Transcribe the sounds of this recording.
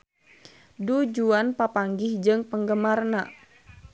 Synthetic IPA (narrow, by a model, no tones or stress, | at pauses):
dud͡ʒuanpapaŋɡɪhd͡ʒɨŋpəŋɡəmarna